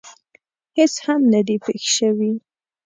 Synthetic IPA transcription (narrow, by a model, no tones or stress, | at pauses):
hɪshamnad̪ipexʃəwi